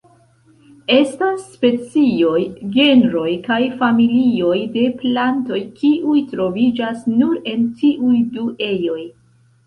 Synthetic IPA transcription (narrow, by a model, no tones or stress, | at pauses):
e̞stasːpe̞t͡sio̞jɡe̞nɾo̞jkajfamilio̞jde̞planto̞jkʰiʔujtɾo̞vid͡ʒasnuɾe̞ntiʔujduʔe̞jo̞j